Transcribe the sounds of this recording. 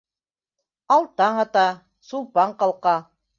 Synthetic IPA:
ɑlˠt̪ɑɴɑt̪ɑ | sulˠpɑɴqɑlˠqɑ

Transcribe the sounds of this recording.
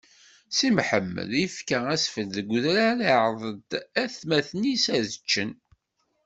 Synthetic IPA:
simħəmːə̰ləfkææsfəd̪ðəɡʷðɾæɾiʕðˤəd̪æθmæθnisæðət͡ʃːən

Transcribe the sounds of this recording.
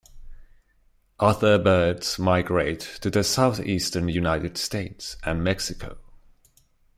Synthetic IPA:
ʔʌθəbɜdz̥maɪɡɹeɪtʰːɨðɨsaʊθistə˞njʉnaɪɾɨd̥steɪtsʔɨ̃nmɛksɪkʰo̰ʊ

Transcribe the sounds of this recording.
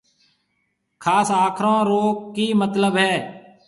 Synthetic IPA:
kʰaːsaːkʰɾõːɾoːkːiːmət̪ləbɦɛː

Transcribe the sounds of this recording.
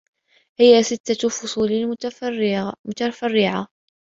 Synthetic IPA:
hɪjasɪt̪ːafʊsˤuːl | mʊt̪afarːɪʕa

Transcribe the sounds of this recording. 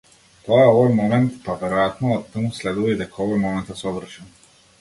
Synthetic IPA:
t̪ɔjaɔvɔjmɔmɛnt̪pavɛɾɔjat̪nɔːt̪ːəmuslɛd̪ulˠɔid̪ɛkʰɔvɔjmɔmɛnt̪asɔvr̩ʃɛn

